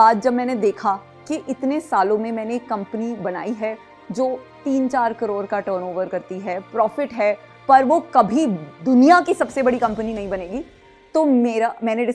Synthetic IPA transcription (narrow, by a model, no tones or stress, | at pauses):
aːd̪̚d͡ʒɐbmɛ̃ːned̪eːkʰa | kiʔɪt̪nesaːlõmẽmɛ̃ːneːkːɐ̃mpənibɐna̰ːiɦɛ | d͡ʒoːt̪iːnt͡ʃaːɾkɐɾoːɾkaʈəːɾnoːʋəɾkɐɾt̪iɦɛpɾɔːfɪʈɦɛ | pɐɾʋokɐbʱid̪ʊnijakisɐbsebɐɽikɐ̃mpəninɐɦĩbɐneːɡiː | t̪oːmeːɾamɛ̃ːneɖɪ